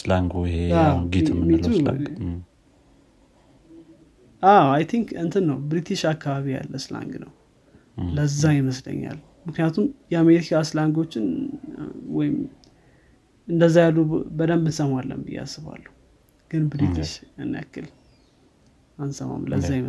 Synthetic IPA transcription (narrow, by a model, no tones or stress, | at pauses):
slaŋɡoɪheaɡit̪ʰmit̪a̰ | aajt̪ʰiŋkɨnt̪ʰɨnːəwbɾit̪ʰiʃakːaβaβija̰lːəsla̰ŋɡnə̰w | ləzːajɪməslə̰ɲːa̰l | mɨknɨjat̪ʰumjɛameɾikʰaslaŋɡo̞t͡ʃːɪn | wɔjɪm | ɨnd̪əzːajalːubəd̪əmbɨnsəmalːə̰mɨ̰jːa̰sːɨβa̰lːuh | ɡ̥ɨnbɾit̪ʰiʃanːa̰kːɨl | ansəma̰mlə̰zːajɪmə